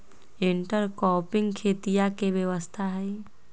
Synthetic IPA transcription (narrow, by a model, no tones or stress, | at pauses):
ɪ̃ɳʈəɾkɔːpɪ̃ŋɡkʰeːt̪ijakeʋjəʋəst̪ʰaɦɛ